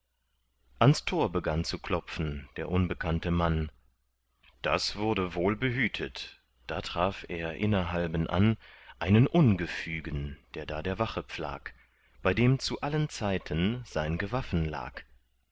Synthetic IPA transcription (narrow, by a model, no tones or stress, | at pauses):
ʔanstʰoːɐbəɡant͡sukʰl̥ɔp͡fn̩d̥eːɐʔʊnbəkʰantəman | d̥a̰sv̥ʊɐdəvoːlbəɦyːtʰət | d̥aːtʁ̥aːfʔeːɐʔɪnɐɦalbənʔa̰nʔaɪnənʔʊnɡəfyːɡənd̥eːɐdaːdeːɐvaχəp͡fla̰ːk | b̥aɪdeːmt͡suʔalənt͡saɪtʰənz̥aɪnɡəvafn̩la̰ːk